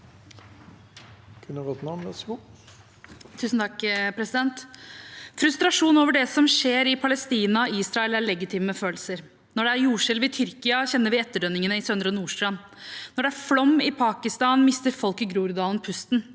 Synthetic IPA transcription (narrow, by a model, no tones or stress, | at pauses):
kʰʉnəʁɔt̪nɑməs | t̪ʰːʉːsn̩t̪ɑkːpʰɾɛsɪd̪ɛnt̪ | fɾʉst̪ɾɑʂuːnoːʋəɖɛsɔmʂeːɾɪpʰɑlɛst̪iːnɑiːsɾɑɛlæɭɛɡɪt̪ʰɪːməməføːlsəɾ | nɔɖɛæɾjuːʂɪlʋɪt̪ʰʏɾkɪɑçɛnːəɾʋɪɛt̪ːəɖœnːɪŋənəɪsœnd̪ɾəɔnuːʂʈɾɑn | nɔɖɛæɾflɔmːɪpʰɑːkɪst̪ɑːnmɪst̪əɾfɔlkəɡɾuːɾd̪ɑːlnpʰʉst̪n